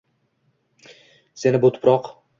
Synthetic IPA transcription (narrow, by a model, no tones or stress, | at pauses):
se̞nɪbʊt̪ʰʊ̥pɾɒq